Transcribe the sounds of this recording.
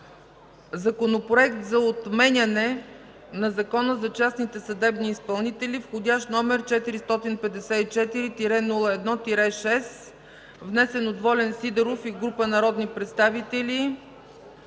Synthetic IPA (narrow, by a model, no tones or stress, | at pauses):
zɐkonopɾoɛkt̪zɐot̪mɛnʲɐnɛ | nɐzɐkɔnəzɐt͡ʃasnit̪ɛsɐd̪ɛbniːspɐlˠnit̪ɛlʲifxod̪ʲjaʃt̪nɔmɛɾt͡ʃɛt̪iɾist̪ɔt̪inpɛd̪ɛsɛit͡ʃɛt̪iɾit̪iɾɛnulˠəɛd̪nɔt̪iɾɛʃɛs | vnɛsɛnod̪vɔlɛnsid̪ɛɾofiɡɾupənɐɾɔd̪nipɾɛt̪st̪avit̪ɛli